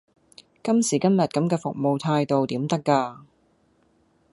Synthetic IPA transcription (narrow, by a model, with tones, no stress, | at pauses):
kɐ˥msiː˨˩kɐ˥mjɐ˨˩t̚kɐ˨˥mkɛː˧fʊ˨k̚mo˨˧wt̪ʰaː˧jt̪o˨wt̪iː˨˥mt̪ɐ˥kːaː˧